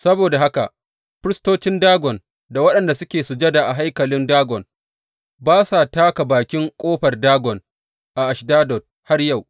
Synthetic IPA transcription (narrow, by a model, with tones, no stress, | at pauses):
sɐ˦boː˨da˨ɦa˦ka˨ | ɸɪ˦ɾɪ˦stoː˦t͡ʃɪ˦ndaː˦ɡɔ˨n | da˨wɐ˦ɗɐ˨nda˨sʊ˦kʲeː˨su˨d͡ʒɐ˦da˨ʔa˨ɦa˦jkɐ˨lɪ˦ndaː˦ɡɔ˨n | baː˦saː˨taː˦ka˨baː˨kʲɪ˦ŋkʷʼoː˦ɸɐ˨rdaː˦ɡɔ˨n | ʔa˨ʔa˨ʃdaː˦dɔ˨t̚ | ha˦rja˦˨w